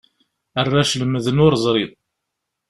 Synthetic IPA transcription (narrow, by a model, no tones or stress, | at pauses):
ərːaʃləməðənʊɾəzˤɾˤiðˤ